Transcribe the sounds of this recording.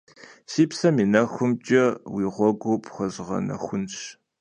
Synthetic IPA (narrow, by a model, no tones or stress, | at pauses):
siːpsɐmiːnɐxʷʊmt͡ʃʼɐwiːʁʷɔɡʷopʰʼχɐzʁɐ̰nɐ̰xʷʊnɕ